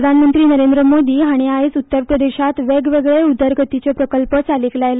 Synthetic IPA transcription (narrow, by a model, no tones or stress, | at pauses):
əd̪ʱanmənt̪ɾiːnəɾend̪ɾəmod̪iːaɽ̃iaisut̪ːəɾpɾəd̪eɕat̪ʋeɡʋeɡɭeud̪ʱəɾɡʱət̪it͡ɕepɾəkəlpət͡saliːklajl